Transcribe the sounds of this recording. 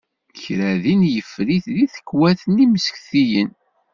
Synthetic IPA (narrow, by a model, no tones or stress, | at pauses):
çɾæðinjəfːɾiθliθə̥kːwæθəniməsə̥kθijən